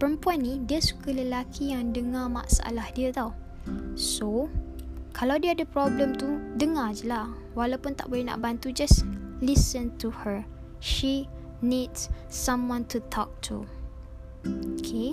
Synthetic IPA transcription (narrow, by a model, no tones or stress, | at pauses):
pəɾəmpuanːidiəsu̥kələlakʰijaŋdəŋama̰ʔsaʔa̰lahdiət̪aw | so | kʰalawdiəadəpɾɔbləmt̪udəŋad͡ʒəla | walawpʊnt̪a̰ʔbolɛhna̰ʔbant̪ud͡ʒaslisə̃nt̪uhə | ʃi | nids | sãmwɔ̃nt̪ut̪ʰɔk̚tʰṵ | okʰe